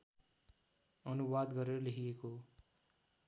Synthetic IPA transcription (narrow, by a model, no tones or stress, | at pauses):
ʌnuwad̪ɡʌɾeɾʌleɦijeko